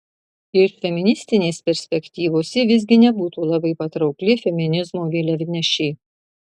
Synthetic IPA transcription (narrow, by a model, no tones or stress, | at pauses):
ɪɾfʲɛmʲɪnʲɪsʲt̪ʲɪnʲeːspʲɛɾʲsʲpʲɛkʲt̪ʲiːʋoːsʲɛʋʲɪzʲɡʲɪnʲɛbuːt̪uːlˠɐbɐɪpɐt̪ɾɒʊklʲɪfʲɛmʲɪnʲɪzmoːʋʲeːlʲɛʋʲɪnʲɛʃʲɛɪ